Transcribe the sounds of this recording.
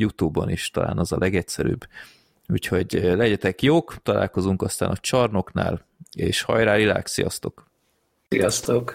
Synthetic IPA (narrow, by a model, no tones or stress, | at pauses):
jut̪ubːɒ̰niʃt̪ɒla̰ːnɒzɒlʔɛɡɛcsɛɾy̰ːbː | uːcho̞ɟlɛɟɛt̪ɛkjoːkt̪ɒla̰ːlko̞zuŋkɒst̪aːnɒt͡ʃɒrno̞kna̰ːl | eːʃhɒ̰jɾaːlila̰ːksijɒ̰st̪o̞k | ijɒst̪ok